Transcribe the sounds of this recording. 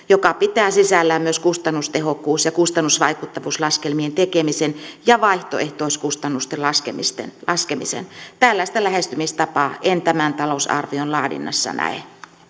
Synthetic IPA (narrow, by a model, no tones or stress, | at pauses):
jokɑpit̪æːsisælːæmmyøskust̪ɑnːust̪ehokːuːsjɑkust̪ɑnːusʋɑikut̪ːɑʋuːslɑskelmient̪ekemisenjɑʋɑiht̪o̰ḛht̪oˑiskust̪ɑnːust̪elɑskemist̪ḛnlɑskemḭsḛnt̪ælːæˑist̪ælæhest̪ymist̪ɑpɑːʔent̪æmænt̪ɑlousɑ̰rʋionlɑːdḭnːɑ̰sːɑ̰næ̰ḛ